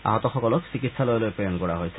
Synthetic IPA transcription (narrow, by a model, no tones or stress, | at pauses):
a̰ɦɔt̪ɔxɔkɔlɔkt͡ɕikit̪ʃalɔjlojpejonkɔɽaɦojt͡ɕʰe